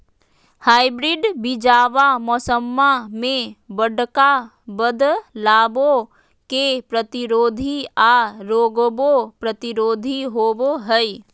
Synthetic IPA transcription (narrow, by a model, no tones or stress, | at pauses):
haːɪbɾɪɖbɪd͡ʒaːʋamɔːsəmːamẽbəɽka | bəd̪ʱlaːbõ | kepɾət̪ɪɾoːd̪ʱiaɾoːɡbopɾət̪ɪɾoːd̪ʱiɦoːboɦɛi